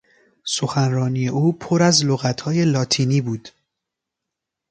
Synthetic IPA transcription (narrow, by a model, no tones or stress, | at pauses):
so̞xænrɒːniːjeʔuːpʰoɾæzloɣæt̪ʰhɒːje̞lɒːt̪ʰiːniːbuːd̪̥